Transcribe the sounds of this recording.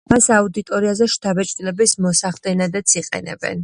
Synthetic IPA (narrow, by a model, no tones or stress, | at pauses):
masaud̪it̪ʼɔɾiazɛʃt̪ʰabɛt͡ʃʼt̪ʼilɛbismɔsaχd̪ɛnad̪at̪sʰiqʼɛ̰nɛ̰bɛ̰n